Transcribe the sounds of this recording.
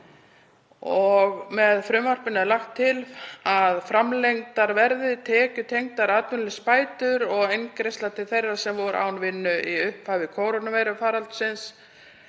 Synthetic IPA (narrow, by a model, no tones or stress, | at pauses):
ɔɣmɛðfɾʏmvar̥pɪnaðlaxt̪ʰːɪlaðfɾamlejŋt̪aɾvɛɾðɪt̪ʰɛːcʏt̪ʰejŋt̪aɾaːt̪vɪnlʏspaːjt̪ʏɾɔɣejnkɾejst̪lat̪ʰɪlθejrːasɛmvɔɾʔa̰wnvɪnːʏʔiʏhphavɪkʰoːwɾonavɛjɾʏfaːɾalt̪sɪns